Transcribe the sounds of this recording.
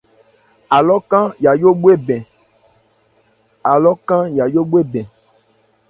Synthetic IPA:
a˨lɔ˦kã˦ja˨jo˦ɡ͡bu˦e˦bɛ̃˨ | a˨lɔ˦kã˦ja˨jo˦ɡ͡bu˦e˦bɛ̃˨

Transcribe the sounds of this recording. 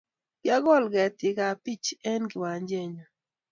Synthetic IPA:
ɡja˦ɡɔ˦˨lɡɛ˨tɪ˨ɡa˨pi˦t͡ʃɛ˦nɡɪ˨wa˨ɲd͡ʒe˦˨ɲɔ˨

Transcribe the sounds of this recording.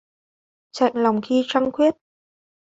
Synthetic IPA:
t͡ɕa̰˧˨jŋla˨˩wŋ͡mxi˧t͡ɕaː˧ŋkwi˦˥ət̚

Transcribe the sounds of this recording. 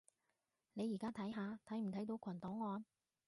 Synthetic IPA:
ne˨˧jiː˨˩kaː˥t̪ʰɐ˨˥jɦaː˨˧t̪ʰɐ˨˥m̩˨˩t̪ʰɐ˨˥jt̪o˨˧wkʷʰɐ˨˩nt̪ɔː˨˥ŋːɔː˧n

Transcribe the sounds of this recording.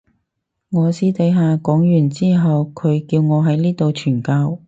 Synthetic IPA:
ŋɔː˨˧siː˥t̪ɐ˨˥jɦaː˨˧kɔː˨˥ŋjyː˨˩nt͡siː˥ɦɐ˨wkʰɵ˨˧ɥkiː˧wŋɔː˨˧ɦɐ˨˥jliː˥t̪o˨wt͡ʃʰyː˨˩nkaː˧w

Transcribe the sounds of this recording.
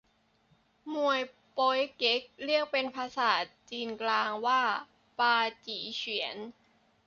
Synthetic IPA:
mu˨˩əj | po˧˦˥jke˦˥k̚ɾi˥˩ək̚pe˧npʰaː˧saː˨˩˦t̪̚t͡ɕiː˧nklaː˧ŋwaː˥˩ | paː˧t͡ɕiː˩˦t͡ɕʰi˩˦ən

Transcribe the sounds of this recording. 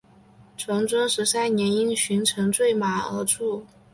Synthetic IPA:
ʈ͡ʂʰwɤ˧˥ŋʈ͡ʂwɤ˥ŋʂɻ̩˧˥sa˥˩ɪnjɛ˧˥ni˥nɕy˧˥nʈ͡ʂʰɤ˧˥ŋt͡swe˥˩ɪma˨˩ə̰˧˥ʈ͡ʂʰu˥˩

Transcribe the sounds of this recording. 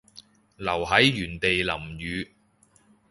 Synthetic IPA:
lɐ˨˩wɦɐ˨˥jːyː˨˩nt̪e˨jlɐ˨˩mjyː˨˧

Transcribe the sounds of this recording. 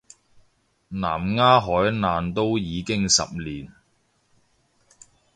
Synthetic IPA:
na̰ː˨˩mŋaː˥ɦɔː˨˥jnaː˨nt̪o˥wjiː˨˧kɪ˥ŋsɐ̰˨p̚liː˨˩n

